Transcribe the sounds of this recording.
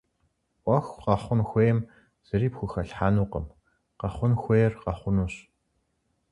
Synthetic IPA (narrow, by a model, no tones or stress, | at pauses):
ʔʷɔxʷqɑχʷʊnxʷeːjɛm | z̥ɨɾiːpxʷʊxɐɬħaːnuːqə̰m | qɐχʷʊnxʷejɛrqɑχʷʊnuːɕ